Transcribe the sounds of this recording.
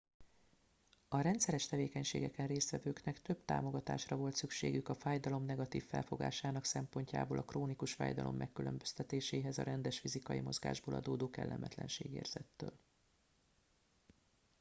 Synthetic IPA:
ɒɾɛnt̪sɛɾɛʃt̪ɛveːkɛɲʃḛːɡɛkɛnreːst̪ʋɛvøːknɛkt̪ø̞bt̪a̰ːmo̞ɡɒt̪a̰ːʃrɒvo̞lt̪sykʃḛːɡykɒfaːjd̪ɒlo̞mnɛɡɒt̪iːfːɛlfo̞ɡa̰ːʃaːnɒksɛmpo̞ɲca̰ːboːlʔɒkroːnikuʃfa̰ːjd̪ɒlo̞̰mːʔɛkːylømbøst̪ɛt̪eːʃeːɦɛzɒ̰ɾɛnd̪ɛʃfizikɒjimo̞zɡa̰ːʒboːlɒ̰d̪oːd̪oːkɛ̰lːɛ̰mʔɛt̪lɛ̰nʃeːɡḛːrz̥ɛt̪ːøːl

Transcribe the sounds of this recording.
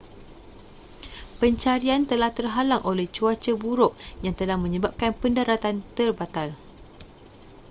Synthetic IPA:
pəɲt͡ʃaɾiant̪əlaht̪ərɦalaŋʔolɛht͡ʃuat͡ʃəbuɾʊʔ̚jaŋt̪əlahmə̃ɲəbap̚kanpəndaɾat̪ant̪ərbat̪al

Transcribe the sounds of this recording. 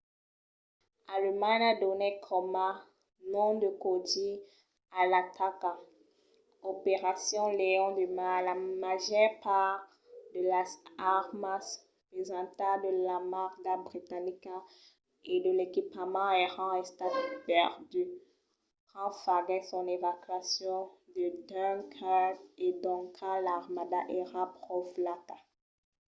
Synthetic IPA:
aləmaɲad̪ɔnekʰɔmã | nɔ̃d̪əkod̪i | alat̪ʰaka | opeʁasjɔ̃leɔ̃d̪əmalamaʒœʁpaʁ | d̪əlasaʁmas | pezɑ̃t̪ad̪əlamaʁɡabʁit̪anika | ed̪əlekipamãeʁɑ̃ɛst̪apɛʁd̪y | ʁɑ̃faɡɛsɔ̃nevakɥasjɔ̃d̪əd̪ɛnkʰated̪ɔ̃kʰalaʁmad̪aʔeʁãpʁɔflat̪a

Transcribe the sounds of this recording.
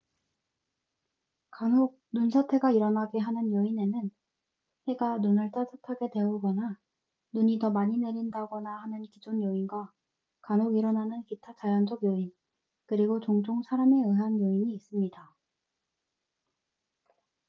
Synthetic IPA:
kanoɡ̚nunsʰatʰe̞ɡaiɾʌnɦaɡeɦanɯnjʌine̞nɯn | he̞ɡanunɯɭt͈asatʰaɡe̞dwe̞uɡʌna | nuɲitʌmaɲine̞ɾindaɡʌnahanɯnkid͡ʑonjʌinɡwa | kanoɡiɾʌnanɯnkitʰat͡ɕajand͡ʑʌɡjʌin | kɯɾiɡot͡ɕoŋd͡ʑoŋsʰaɾame̞ɯɦanjʌiɲiːs͈ɯmɲida

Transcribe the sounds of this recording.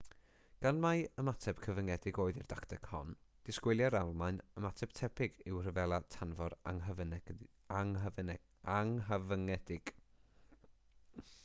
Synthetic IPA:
ɡ̥anmajəmatʰɛb̥kʰəvəŋɛdɪɡoːɨðɪrd̥aktʰɛkhɔ̰nd̥ɪskwɪlˠjaɾalˠmaɨnəmatʰɛb̥tʰɛpʰɪɡɪwr̥əvɛlˠatʰanvɔɾaŋəv | aŋə | aŋɦəvəŋɛdɪɡ̥

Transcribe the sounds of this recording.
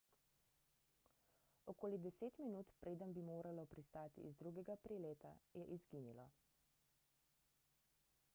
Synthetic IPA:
ɔkoːlid̪ɛseːt̪minuːt̪pɾeːd̪ənbimoːɾalɔpɾist̪aːt̪ḭːzd̪ɾuːɡɛɡapɾileːt̪a̰jɛʔizɡiːnilɔ̰

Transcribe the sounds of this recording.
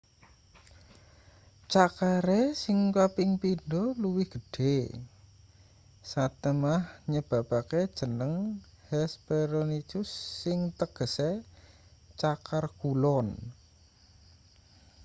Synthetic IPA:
t͡ʃakaɾesɪŋkapɪŋpinɖɔluwihɡ̥ə̤ɖ̥e | sat̪əmahɲəb̥a̤b̥aked̥ʒ̥ə̤nəŋ | hɛspeɾonit͡ʃʊsːɪŋt̪əɡ̥ə̤se | t͡ʃakarɡ̥ulɔn

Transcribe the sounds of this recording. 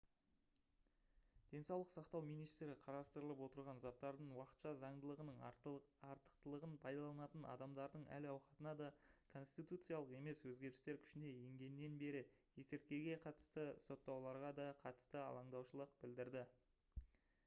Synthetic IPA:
d̪̥e̞nsɑwlˠəqsɑqt̪ɑwmijnijst̪ɾɪqʰɑɾɑst̪əɾəlˠəpwo̞t̪əɾʁɑnzɑt̪ːɑɾd̪əɴwɑqə̥t̪ʃɑzɑɴd̪əlˠəʁənəɴɑɾt̪ə̥qt̪əlˠəʁənpʰɑjd̪ɑlˠɑnɑt̪ənɑ̰d̪ɑmd̪ɑɾd̪əɴæ̰lɑwqɑt̪ənɑd̪ɑkʰo̞nst̪ijt̪ut̪sɨjalˠəqe̞me̞swɵzɡʲe̞ɾɪst̪e̞ɾkʲʰʏ̥ʃɪne̞je̞ŋɡʲe̞nːe̞nbe̞ɾɪje̞seɾt̪̚kʲe̞ɡʲe̞qʰɑt̪ə̥st̪əso̞t̪ːɑwlˠɑɾʁɑd̪ɑqʰɑt̪ə̥st̪əɑ̰lˠɑɴd̪ɑwʃəlˠəq̚bɪld̪ɪɾd̪ɪ

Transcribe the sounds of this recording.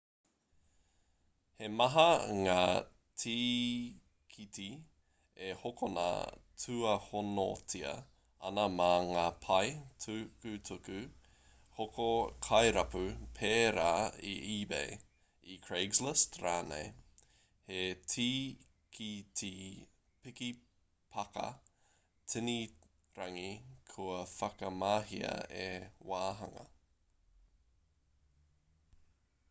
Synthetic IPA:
he̞mɐɦɐŋaː | tʰiː | kʰiti | ehokʰonaɐ̰tʰʉɐhono̰tʰiɐ̰ | ɐ̰nɐmaŋaːpʰɐjtʰukʉtʰukʉ | hokʰokʰɐjɾɐpʉpʰeːɾaːḭʔiːbḛj | ikʰɹeɪɡzlɪstɾaːnḛj | hetʰiː | kʰitʰi | pɪki | pʰɐkɐ̰ | tʰɪni | ɾɐŋikʰuɐfɐkɐmaːɦiɐ̰ewaːɦɐŋɐ̰

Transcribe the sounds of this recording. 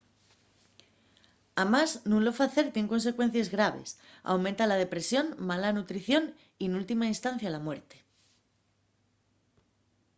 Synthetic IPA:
amaznũnlo̞faθe̞ɾt̪je̞ŋko̞ns̬e̞kwe̞n̟θjezɣɾaβ̞e̞̰sa̰wmẽnt̪alað̞e̞pɾe̞sjo̞nmalanut̪ɾiθjo̞n | ienult̪imainst̪an̟θjalamwe̞ɾt̪e̥

